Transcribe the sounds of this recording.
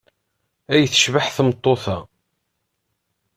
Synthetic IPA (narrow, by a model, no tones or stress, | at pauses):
æjəθə̥ʃvaħθmt̪ˤːoθæ